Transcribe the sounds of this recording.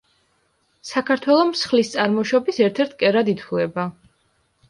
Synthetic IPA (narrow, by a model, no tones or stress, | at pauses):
sakʰaɾt̪ʰwɛlˠɔmsχlist̪sʼaɾmɔʃɔbisɛɾt̪ʰɛɾt̪ʰkʼɛɾad̪it̪ʰulɛba